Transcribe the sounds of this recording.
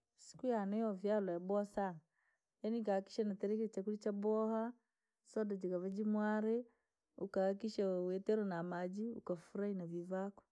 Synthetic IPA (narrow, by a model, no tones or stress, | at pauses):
si̥kujanɛjɔvjalajabɔasa | janikaki̥ʃanatɛɾɛkit͡ʃakulit͡ʃabɔha | sɔdad͡ʒikavad͡ʒimwaɾɛ | ukaːkiʃawɛtɛɾɔnamad͡ʒiṵkafuɾainavivakɔ̥